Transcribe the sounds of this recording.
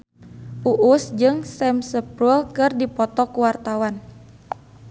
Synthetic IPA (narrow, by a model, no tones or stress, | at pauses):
ʔuʔusd͡ʒɨŋsɛmsəpɾulkɨrdipɔt̪ɔkuwart̪awan